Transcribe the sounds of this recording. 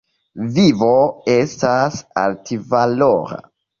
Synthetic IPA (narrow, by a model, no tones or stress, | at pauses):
vivoe̞stasa̰ltivalo̰ɾa̰